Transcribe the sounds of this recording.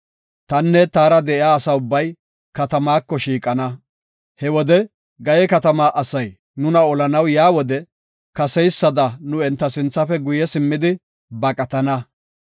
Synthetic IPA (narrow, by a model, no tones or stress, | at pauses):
t̪ɐnːɛt̪aːɾɐd̪ɛɪaːsɐʊbːɐj | kɐt̪ɐmaːkːɔʃiːkʼɐnɐ | hɛwɔd̪ɛ | ɡɐjɛkɐt̪ɐmaːʔɐsɐj | nʊnɐɔlɐnɐwjaːwɔd̪ɛ | kɐsɛjsːɐd̪ɐnʊɛnt̪ːɐsɪnt͡sːɐfɛɡʊjɛsɪmːɪd̪ɪ | bɐkʼɐt̪ɐnɐ